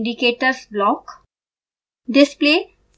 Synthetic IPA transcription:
ɳɖikeːʈəɾsblɔːk | ɖɪspleː

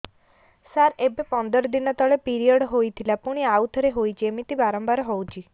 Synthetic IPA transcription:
saɾebepɔnd̪ɔɾɔd̪inɔt̪ɔɭepiɾijɔɽɦojt̪ʰilapuɽ̃iaut̪ʰɾeɦojt͡ʃʰiemit̪ibaɾɔmbaɾɔɦɔwt͡ʃʰi

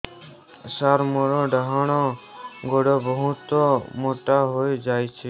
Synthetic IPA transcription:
saɾmoɾoɖaɦaɽ̃oɡoɽobəɦũt̪omoʈaɦojd͡ʒaːjt͡ʃʰe

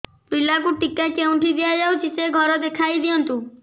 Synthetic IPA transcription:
pɾilakuʈikakew̃ɳʈʰid̪ijad͡ʒawt͡ʃʰiseɡʱɔɾɔd̪ekʰajd̪ijɔnt̪u

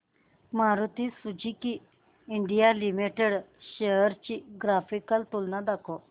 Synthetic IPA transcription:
maɾut̪isud͡ʑikiː | ɳɖijalimiʈeɽɕejəɾt͡ɕiɡɾafʰikəlt̪ulnad̪akʰo

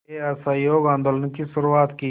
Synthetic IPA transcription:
eɐsajoːɡãːnd̪olənkiʃʊɾuaːt̪ki

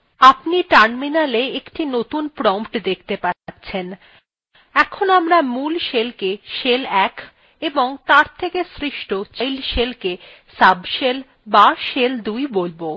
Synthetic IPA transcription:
apniʈaɾminaleekʈinot̪unpɾɔmʈd̪ek̚ʰt̪epatːɕʰen | ɛkʰonamɾamulʃelkeʃelɛk | eboŋt̪aɾt̪ʰekesɾiʃʈot͡ɕjlʃelke | sabʃel | baʃeld̪ujbolbo

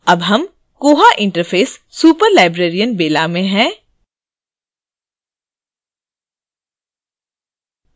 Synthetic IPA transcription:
ɐbɦɐm | koːɦaʔɪ̃ɳʈəɾfʰeːsːuːpəɾlaːɪbɾeːɾijənbeːlamẽɦɛ̃ː

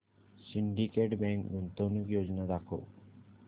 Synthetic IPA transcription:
siɳɖikeʈbɛŋkbunt̪onikjod͡ʑnad̪akʰo̰

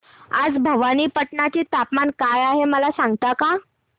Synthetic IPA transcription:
ad͡zbʱəʋaniːpəʈɳat͡ɕiːt̪apmankajaɦeməlasãŋɡt̪aka

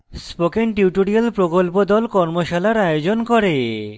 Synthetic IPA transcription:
spokenʈiwʈoɾialpɾokolpod̪ɔlkɔɾmoʃalaɾajod͡ʑonkɔɾe

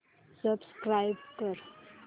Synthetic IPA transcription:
səbskɾajbkəɾ

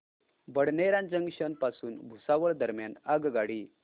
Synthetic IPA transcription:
bəɽneɾãnd͡zəŋɡɕənpasuːnbʱusaʋəɭd̪əɾmjanaɡɡaɽiː

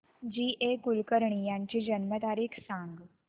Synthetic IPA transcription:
d͡ʒiːʔeːkʊlkəɾɳ̃ijãːnt͡ʃid͡ʒənmət̪aːɾiːkʰsãːŋɡ

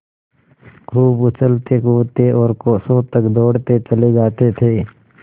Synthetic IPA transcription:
kʰuːbʊt͡ʃəlt̪ekuːt̪eʔɔːɾkoːsõt̪əkd̪ɔːɽt̪et͡ʃəled͡ʒaːt̪et̪ʰeː

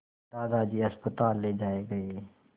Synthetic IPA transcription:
d̪aːd̪ad͡ʒiɐspət̪aːlːeːd͡ʒaːeɡɐe

